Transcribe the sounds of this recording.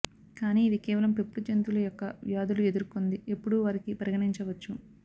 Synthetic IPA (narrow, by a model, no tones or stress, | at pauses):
kaːniːd̪ikɛːʋɐlɐmpe̞pːud͡ʒent̪ulɐjɔkːɐʋjaːd̪ulue̞d̪uɾkond̪ie̞pːuɽuʋɐɾikipɾɐɡɐɳiɲt͡ʃɐʋɐt͡ʃːu